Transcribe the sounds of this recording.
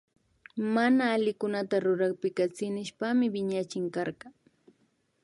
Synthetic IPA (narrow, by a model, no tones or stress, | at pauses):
manaːlɪkʊnat̪aɾʊɾɑχpɪkat͡sɪnɪʃpamɪbɪɲat͡ʃɪŋkɑɾɢɑ